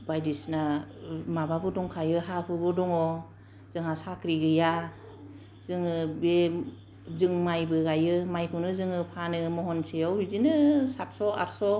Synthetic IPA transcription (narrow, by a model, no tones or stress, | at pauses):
bajdisnamabaɡɯdɔŋkʰajɯɦakʰɯɡɯdɔŋɔ | z̥ɯŋasakɾiɡɯja | z̥ɯŋɯbe | zɯŋmajbɯɡajɯmajkʰɯwnɯzɯŋɯpʰanɯmɔɦɔnseawɾizinɯsat̚sɔa̰ɾsɔ